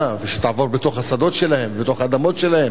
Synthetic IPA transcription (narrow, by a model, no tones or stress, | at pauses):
aveʃet̪aʕavo̞ʁbet̪o̞χhasad̪o̞tʃe̞lahe̞mvbet̪o̞χad̪amo̞tʃe̞lahe̞m